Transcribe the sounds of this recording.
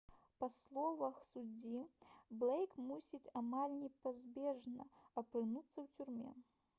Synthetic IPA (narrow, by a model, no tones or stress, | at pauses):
pɐslˠɔvɐxsud͡zʲiblˠɛjkmusʲit͡sʲamalʲnʲɛpazʲbʲɛʐnɐɐpɾɨnut̪sːɐwt͡sʲurmʲɛ̰